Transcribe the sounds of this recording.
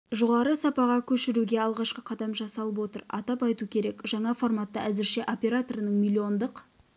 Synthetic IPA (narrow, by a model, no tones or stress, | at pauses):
ʒo̞ʁɑɾəsɑpɑʁɑkʲʰɵʃɪɾuɡʲe̞ɑlˠʁɑʃqəqʰɑd̪ɑmʒɑsɑlˠəp̬wo̞t̪əɾɑ̰t̪ɑpɑjt̪ukʲʰe̞ɾe̞kʒɑɴɑfo̞rmɑt̪ːɑʔæzɪɾʃe̞ʔo̞pʲe̞ɾat̪o̞ɾənəɴmʲilʲːio̞nd̪əq